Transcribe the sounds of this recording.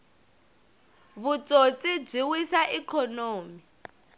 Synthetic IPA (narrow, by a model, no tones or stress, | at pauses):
βut͡sʼot͡sʼib͡ʐiwisaʔikʰɔnoːmi